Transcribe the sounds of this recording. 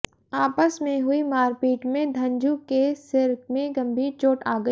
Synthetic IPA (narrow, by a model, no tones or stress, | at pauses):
aːpəsmẽɦʊimaːɾpiːʈmẽd̪ʱɐ̃nd͡ʒukesɪɾkmẽɡɐ̃mbʱiːɾt͡ʃoːʈaːɡəi